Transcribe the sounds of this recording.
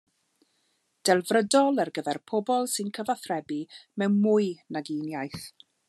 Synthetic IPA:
d̥ɛlˠvrədɔlˠarɡəvɛrpʰɔbɔlˠsɨnkʰəvaθrɛbimɛwmʊːɨnaɡinjajθ

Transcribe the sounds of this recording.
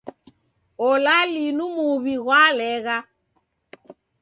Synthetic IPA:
ɔlalinumuβiɣwalɛɣa

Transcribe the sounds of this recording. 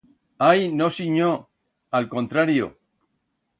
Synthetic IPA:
ajnosiɲo | alko̞nt̪ɾaɾjo̰

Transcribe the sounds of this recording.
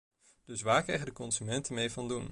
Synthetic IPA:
d̥ɵsʋaːɹkrɛ̰jχədəkɔnzymɛntəmejvɑndun

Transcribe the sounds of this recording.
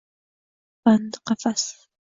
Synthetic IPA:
pand̪qɑfas

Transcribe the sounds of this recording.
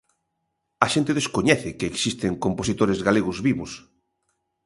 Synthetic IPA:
aʃent̪ɪðeskoɲɛθɪkeːksist̪eŋkomposit̪oɾezɣaleɣʊzβiβʊs

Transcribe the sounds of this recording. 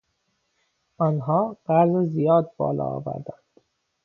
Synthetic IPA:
ʔɒːnɦɒːɢæzzijɒːd̪̚bɒ̰ːlɒ̰ːvæ̰ɾd̪ænd̪̥

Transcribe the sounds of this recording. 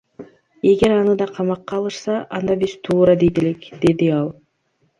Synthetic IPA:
e̞ɡe̞ɾɑnɯd̪ɑqʰɑmɑqːɑːlˠɯʃsɑʔɑnd̪ɑbiz̥t̪ʰuːɾɑd̪ejd̪ele̞kd̪̥e̞d̪iɑlˠ

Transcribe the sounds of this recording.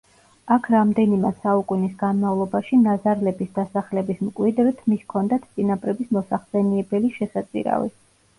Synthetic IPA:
akʰɾamd̪ɛnimɛsaukʼunisɡanmavlˠɔbaʃinazaɾlɛbisd̪asaχlɛbismkʼwid̪ɾɛt̪ʰmiskʰɔnd̪at̪ʰt̪sʼinapʼɾɛbismɔsaχsɛniɛbɛliʃɛsat̪sʼḭɾa̰vḭ

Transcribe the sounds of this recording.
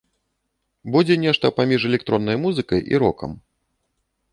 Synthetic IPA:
bud͡zʲɛnʲɛʂt̪ɐpamʲiʐɛlʲɛk̚t̪ɾɔnːɐjmuzɨkɐjʔḭɾɔkɐ̰m

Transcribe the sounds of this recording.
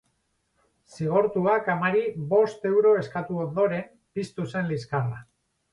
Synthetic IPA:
siɣ̞o̞ɾt̪uakamaɾiβo̞st̪e̞wɾo̞e̞skat̪uo̞nd̪o̞ɾe̞m | pist̪use̞nliskara̰

